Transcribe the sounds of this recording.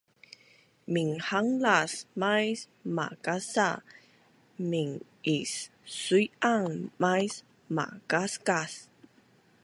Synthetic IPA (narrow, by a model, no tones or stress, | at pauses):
miŋhaŋlasmajs | ma̰kasa | miŋ | isː | ujaŋmajs | ma̰kaskas